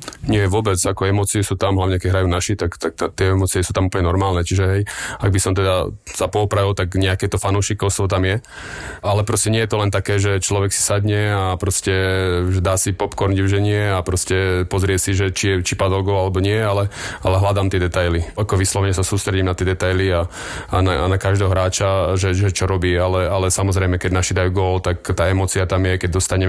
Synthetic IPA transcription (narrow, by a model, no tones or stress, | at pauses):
ɲɪɛʋʊɔbɛd͡zakɔɛmɔt͡siɛsuːt̪amɦlaʋɲɛkɛɟɦɾajuːnaʃit̪akt̪ak̚t̪at̪ɪɛɛmɔt͡siɛsuːt̪amuplɲɛnɔɾmaːlnɛt͡ʃiʒɛɦɛjaɡ̚bisɔmt̪ɛd̪asapɔɔpɾaʋilt̪aɡɲɛakɛːt̪ɔfanɔʊʃikɔʊst̪ʋɔt̪amjɛ | alɛpɾɔscɛɲɪɛjɛt̪ɔlɛnt̪akɛːʒɛt͡ʃlɔʋɛksi̥sad̪ɲɛapɾɔscɛʒɛd̪aːsipɔpkɔɾɲɟʊʒɛɲɪɛapɾɔscɛpɔzɾɪɛsiʒɛt͡ʃijɛt͡ʃipad̪ɔlɡɔːlalɛbɔɲɪɛalɛalɛɦlad̪aːmt̪ɪɛd̪ɛt̪ajliakɔʋislɔʋɛɲɛsasuːst̪ɾɛɟimnat̪ɪɛd̪ɛt̪ajlia | ananakaʒd̪ɛːɦɔɦɾaːt͡ʃaʒɛʒɛt͡ʃɔɾɔbiːalɛalɛsamɔzɾɛjmɛkɛɟnaʃid̪ajuːɡɔːlt̪akt̪aːɛmɔːt͡siat̪amjɛkɛɟ̚d̪ɔst̪aɲɛmɛ